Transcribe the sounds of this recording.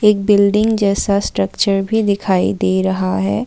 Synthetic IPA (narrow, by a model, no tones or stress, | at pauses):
eːk̚bɪlɖɪ̃ŋɡd͡ʒɛːsasʈɾəkt͡ʃəɾbʱid̪ɪkʰaːḭd̪eːɾɐɦaɦɛː